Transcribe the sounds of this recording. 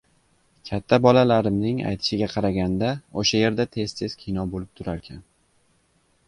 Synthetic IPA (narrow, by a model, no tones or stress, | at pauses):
kʲʰat̪ʰːabɒlalaɾɪmnɪŋa̰jt̪ʰɪ̥ʃɪɡʲaqʰɑɾaɡʲand̪aoʃaje̞ɾd̪at̪ʰe̞z̥t̪ʰe̞z̥kʲʰɪjnɒbolɪp̚t̪ʰʊɾaɾkʲʰan